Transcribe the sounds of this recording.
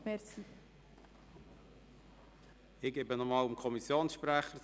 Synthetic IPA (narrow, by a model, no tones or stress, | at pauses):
mɛt͡si | ɪɡebənɔmɑːlʊmkʰɔmisjoːnsʃpɾæχə